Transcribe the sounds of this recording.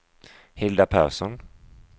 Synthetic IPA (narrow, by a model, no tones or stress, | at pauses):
hɪld̪apʰæ̰ːɾʂɔn